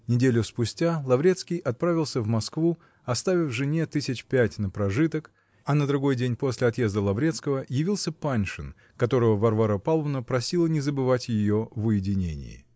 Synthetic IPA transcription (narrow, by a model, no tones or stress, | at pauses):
nʲɪdʲelʲʊspʊsʲtʲalˠɐvɾʲe̞t̪skʲɪjʔɐt̪̚pɾavʲɪlˠsʲəvmɐskvu | ɐst̪avʲɪfʐɨnʲe̞t̪ɨsʲɪt͡ɕpʲætʲnəpɾɐʐɨt̪ək | ɐnəd̪ɾʊɡo̞jdʲenʲpo̞sʲlʲɪɐt̪je̞zd̪əlˠɐvɾʲet̪skəvəjɪvʲilˠsʲəpanʲʂɨn | kɐt̪o̞ɾəvəvɐrvaɾəpalˠvnəpɾɐsʲilˠənʲɪzəbɨvatʲjɪjovʊjɪdʲɪnʲḛnʲɪ̰jɪ̰